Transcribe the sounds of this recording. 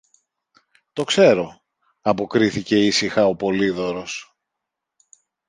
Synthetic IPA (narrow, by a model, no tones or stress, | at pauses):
t̪o̞kse̞ɾo̞ | ɐpo̞kɾiθice̞isixɐo̞po̞liðo̞ɾo̞s